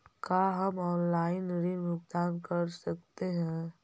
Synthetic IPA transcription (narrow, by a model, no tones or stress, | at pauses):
kaːɦɐmɔːnlaːɪnɾinbʱʊɡd̪aːnkɐɾsɐk̚t̪eɦɛ̃ː